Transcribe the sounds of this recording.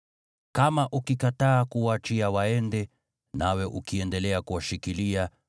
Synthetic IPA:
kamaʔukikataːkuwat͡ʃiawaɛndɛ | nawɛʔukiɛndɛlɛakuwaʃikilia

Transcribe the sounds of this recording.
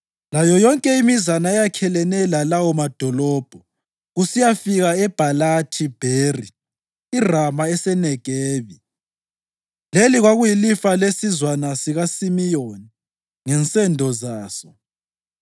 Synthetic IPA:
lajɔjɔŋkʼɛimizanaɛjakʰɛlɛnɛlalawɔmad̥ʱɔlɔːb̥ʱɔ | ɣusijafiɣaɛb̥ʱalatʰib̥ʱeri | iramaɛsɛnɛɡ̥ʱɛːβi | leliɣwaɣujilifalesizwanasiɣasimijoni | ŋɛnt͡sʼɛndʱɔzaːsɔ

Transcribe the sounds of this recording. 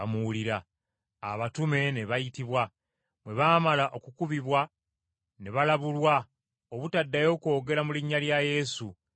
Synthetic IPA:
amuuliɾa̰ː | βatume̞ne̞βajitiβwa | mwe̞βaːmalaʔo̞kukuβiβwa | ne̞βalaβulwa | oβutadːajo̞ːko̞ːɡe̞ɾamuliɲːaljaje̞su

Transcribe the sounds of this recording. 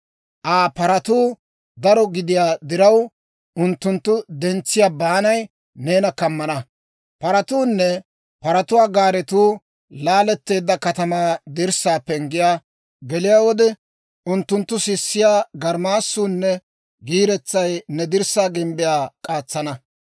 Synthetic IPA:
ʔaːpɐɾɐt̪uː | d̪ɐɾɔɡɪd̪ɪjaːd̪ɪɾɐw | ʔʊnt̪ːʊnt̪ːʊd̪ɛnt͡sːɪjaːbaːnɐj | ne̞ːnɐkɐmːɐnɐ | pɐɾɐt̪uːnːɛ | pɐɾɐt̪ʊwaːɡaːɾɛt̪uː | laːlɛt̪ːe̞ːd̪ːɐkɐt̪ɐmaːd̪ɪɾsaːpːɛŋɡɪjaː | ɡɛlɪjaːwɔd̪ɛ | ʊnt̪ːʊnt̪ːʊsɪsːɪjaːɡɐɾmaːsːuːnːɛ | ɡiːɾɛt͡sːɐjnɛd̪ɪɾsaːɡɪmbɪjaːkʼaːt͡sːɐnɐ

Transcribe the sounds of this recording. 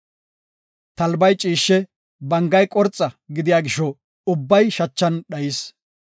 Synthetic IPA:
t̪ɐlbɐjt͡ʃʼiːʃːɛ | bɐŋɡɐjkʼɔɾt͡sʼːɐɡɪd̪ɪjaːɡɪʃɔ | ʊbːɐjʃɐt͡ʃːɐnɗɐjis

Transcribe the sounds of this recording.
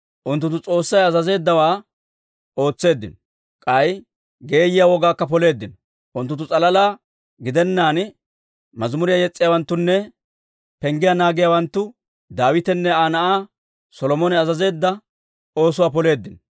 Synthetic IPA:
ʔʊnt̪̬ːʊnt̪ːʊt͡sʼo̞ːsːɐjɐzɐze̞ːd̪ːɐwaː | o̞ːt͡sːe̞ːd̪ːɪnɔ | kʼɐj | ɡe̞ːjɪjawɔɡaːkːɐpɔle̞ːd̪ːɪnɔ | ʔʊnt̪ːʊnt̪ːʊt͡sʼɐlɐlaː | ɡɪd̪ɛnːaːn | mɐzmʊɾɪjajɛt͡sʼːɪjawɐnt̪ːʊnːɛ | pɛŋɡɪjanaːɡɪjawɐnt̪ːʊ | d̪aːwɪt̪ɛnːɛaːnɐʔaː | sɔlɔmɔnɛɐzɐze̞ːd̪ːɐ | o̞ːsʊwaːpɔle̞ːd̪ːɪnɔ

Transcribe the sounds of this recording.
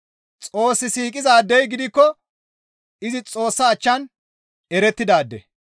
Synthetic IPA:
t͡sʼo̞ːsːɪsiːkʼɪzaːd̪ːɛjɡɪd̪ɪkːɔ | ɪzɪt͡sʼo̞ːsːɐːt͡ʃːɐn | ɛɾɛt̪ːɪd̪aːd̪ːɛ̰

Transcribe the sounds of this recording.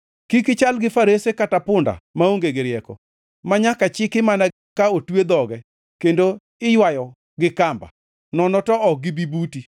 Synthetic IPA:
kikɪt͡ʃalɡɪfaɾesekatapʊnda̰maoŋɡeɡɪɾjɛkɔ̰ | maɲakat͡ʃɪkɪmana | kaotwed̪ɔɡɛ | kendo | ɪjwajɔ | ɡɪkamba̰ | nɔnɔtɔɔk̚ɡɪbibuti

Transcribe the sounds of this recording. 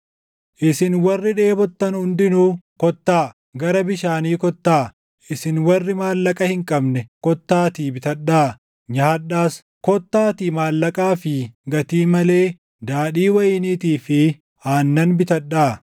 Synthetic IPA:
ʔɪsɪnwɐrːɪᶑe̞ːbɔt̪ːɐnhʊnd̪ɪnuːkɔt̪ːaː | ɡɐɾɐbɪʃaːniːkɔt̪ːaː | ʔɪsɪnwɐrːɪmaːlːɐkʼɐhɪŋkʼɐbnɛkɔt̪ːaːt̪iːbɪt̪ɐɗːaː | ɲaːɗaːs | kɔt̪ːaːt̪iːmaːlːɐkʼaːfɪɡɐt̪iːmɐle̞ː | d̪aːɗiːwɐjɪniːt̪iːfɪ | aːnːɐnbɪt̪ɐɗːaː

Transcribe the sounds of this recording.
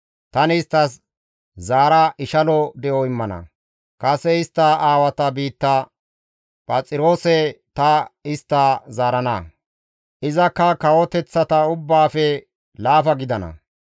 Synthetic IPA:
t̪ɐnɪst̪ːɐs | zaːɾɐʔɪʃɐlɔd̪ɛʔoɪmːɐnɐ̰ | kʼɐsːɛɪst̪ːɐaːwɐt̪ɐbiːt̪ːɐ | pʼɐt͡sʼɪɾo̞ːsɛt̪ɐɪst̪ːazaːɾɐnɐ̰ | ʔɪzɐkːɐkɐwɔt̪ɛt͡sːɐt̪ɐʊbːaːfɛ | laːfɐɡɪd̪ɐnɐ̰

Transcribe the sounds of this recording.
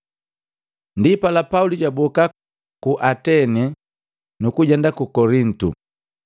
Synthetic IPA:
ndipalapauliɟabɔka | kuʔatɛnɛ | nukuɟɛndakukɔɾin̩tṵ

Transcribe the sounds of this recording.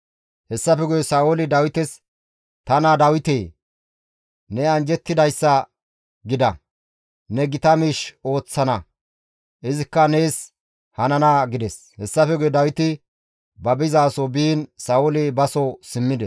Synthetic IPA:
hɛsːɐfɛɡʊjɛsaːʊlɪd̪ɐwɪt̪ɛs | t̪ɐnad̪ɐwɪt̪eː | nɛɐnd͡ʒɛt̪ːɪd̪ɐjsːɐ | ɡɪd̪ɐ | nɛɡɪt̪ɐmiʃo̞ːt͡sːɐnɐ | ʔɪzɪkːɐneːs | hɐnɐnaːɡɪd̪ɛs | hɛsːɐfɛɡʊjɛd̪ɐwɪt̪ɪ | bɐbɪzaːsɔbiːnsaːwʊlɪbɐsɔsɪmːɪd̪ɛs

